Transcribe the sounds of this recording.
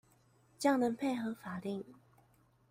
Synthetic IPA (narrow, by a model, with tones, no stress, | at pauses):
t͡ɕjɑ˥˩ŋnə˨˥npʰe˥˩ɪxɤ˨˧˥fa˨˩li˥˩ŋ